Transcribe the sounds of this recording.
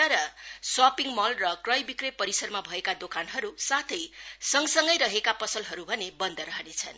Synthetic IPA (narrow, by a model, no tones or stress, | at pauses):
ʌɾʌsapiŋmʌlrʌkrʌjbikrepʌɾisʌrmabʱʌekad̪okanɦʌɾusat̪ʰʌjsʌŋsʌŋɡʌjɾʌɦekapʌsʌlɦʌɾubʱʌnebʌnd̪ʌɾʌɦʌnet͡sʰʌ̰n